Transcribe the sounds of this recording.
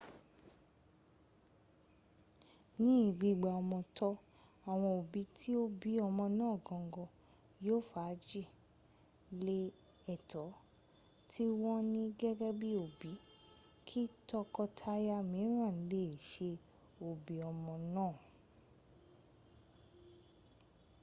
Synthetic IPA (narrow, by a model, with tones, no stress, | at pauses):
nĩ˦i˦˨ɡ͡bi˧ɡ͡ba˨ɔ˧mɔ̃˧tʰɔ˧ | a˨w̃ɔ̃˧o˨bi˨˦tʰi˦o˦bi˨˦ɔ˧mɔ̃˧nãː˦˨ɡɔ̃˨˧˦ɡɔ˧ | joː˦˨fa˨˦d͡ʒi˦˨ | le˦ | ɛ˨tɔ˨˦ | tʰi˦wɔ̃˦nĩ˦ɡɛ˦ɡɛ˦bi˦o˨bi˨˦ | kʰi˦tɔ˦kɔ˦tʰa˦ja˦mĩ˨˦ɾ̃ã˦˨n̩˨˦le˦e˨ʃe˧ | o˨bi˨ɔ˧mɔ̃˧nãː˦˨